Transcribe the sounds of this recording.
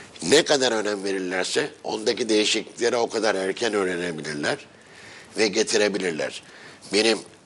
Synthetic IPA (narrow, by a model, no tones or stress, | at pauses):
nɛkad̪aɾø̞næmve̞ɾiɾlʲæɾsɛo̞̰nd̪acid̪e̞jiʃicieɾɛo̞kʰad̪aɾæɾcʰænø̞ːɾenebilʲiɾlʲæɾ̥ | vɛɟe̞t̪ʰiɾe̞bilʲiɾlʲæ̰ɾ̥ | be̞nim